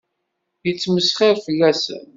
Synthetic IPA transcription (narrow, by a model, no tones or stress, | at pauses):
jət͡sːməsχɪɾfəlːæsə̰n